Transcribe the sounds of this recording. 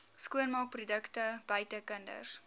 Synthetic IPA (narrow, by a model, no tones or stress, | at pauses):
skuənmɑːk̚prudəktəb̥əɥtəkəndə̰s